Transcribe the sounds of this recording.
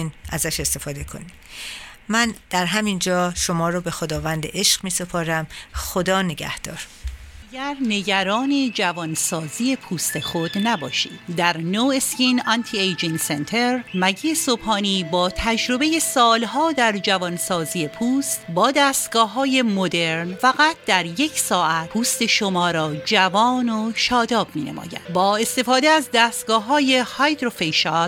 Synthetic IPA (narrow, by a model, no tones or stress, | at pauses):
næzæʃe̞st̪e̞fɒːd̪e̞kʰo̞̰nid̥̪mænd̪̥æɾɦæmind͡ʒɒːʃo̞mɒːɾobe̞xod̪ɒːvænd̪ḛʔeʃɢ̥miːsepʰoːɾæmxod̪ɒːneɡæ̰hd̪̥ɒːɾ | æɡæɾne̞ɟæɾɒːne̞d͡ʒævɒnsɒːziːje̞pʰuːst̪e̞xod̪næbɒːʃḭːd̪d̪æɾnoescinɒnt̪ʰiejd͡ʒinsent̪ʰeɾmæɟiːesobhɒːniːbɒːt̪ʰæd͡ʒɾo̞be̞je̞sɒːlɦɒːd̪æɾd͡ʒævɒnsɒːziːje̞pʰuːst̪bɒːd̪æːst̪ɡɒːɦɒːje̞mod̪e̞ɾnfæɣæt̪̚ʰd̪æɾje̞cʰsɒːʔæt̪̚pʰuːst̪e̞ʃomɒːɾɒːd͡ʒævɒːnoʃɒːd̪ɒːbmiːnḛmʔɒ̰ːjæ̰bɒːe̞st̪e̞fɒːd̪eæzd̪æːst̪ɡɒːɦɒːje̞hɒjd̪ɾofejʃɑl